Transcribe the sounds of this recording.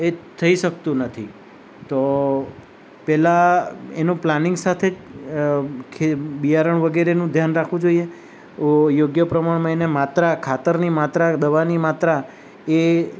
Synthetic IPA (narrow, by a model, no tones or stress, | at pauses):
et̪ʰəiʃək̚t̪ũnət̪ʰi | t̪o | pɛlaenũplanɪ̃ŋɡsat̪ʰed͡ʒ | kʰebijaɾəɳʋəɡeɾenũd̪ʱjanɾakʰʋũd͡ʒoie | ojoɡjəpɾəmaɳməinemat̪ɾakʰat̪əɾnimat̪ɾad̪əʋanimat̪ɾa | e